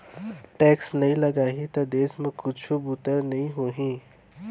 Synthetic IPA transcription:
ʈɛːksnɐɦĩlɐɡaːɦĩt̪ɐd̪eːsmẽkʊt͡ʃʰubut̪əɾnɐɦĩɦoːɦĩː

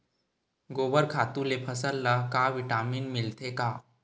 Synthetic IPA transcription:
ɡoːbəɾkʰaːt̪ũlepʰəsəlːəɦkaʋɪʈaːmiːnmɪlt̪ʰekaː

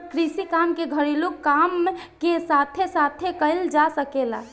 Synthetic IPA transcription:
kɾisikamkeɡʱəɾilukːamkesat̪ʰesat̪ʰekəɪld͡ʒasəkela̰

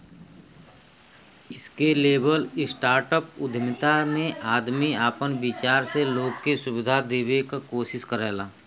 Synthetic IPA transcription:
ɪskeleːbəlɪsʈaːɾʈəpʊd̪ʱmɪt̪amẽaːd̪miaːpənbɪt͡ʃaːɾseloːɡkesʊʋɪd̪ʱad̪eːwekakoːʃɪskəɾɛːlaː

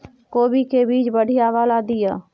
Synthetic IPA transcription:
koːbikebiːt͡ʃbəɽ̤ʱijaːʋaːlaːd̪ɪjaː

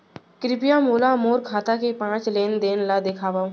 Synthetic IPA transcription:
kɾɪpɪjamoːlamoːɾkʰaːt̪akepãːt͡ʃleːnd̪eːnlad̪ɪkʰaːʋã

